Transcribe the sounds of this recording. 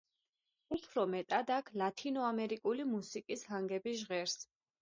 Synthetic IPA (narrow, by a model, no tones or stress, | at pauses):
upʰɾɔmɛt̪ʼad̪akʰlat̪ʰinɔamɛɾikʼulimusikʼishaŋɡɛbiʒʁɛɾs